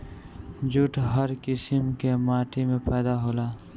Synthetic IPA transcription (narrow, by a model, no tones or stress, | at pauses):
d͡ʒʊʈɦəɾkɪsɪmkemaːʈʰimẽpɛːd̪aɦoːlaː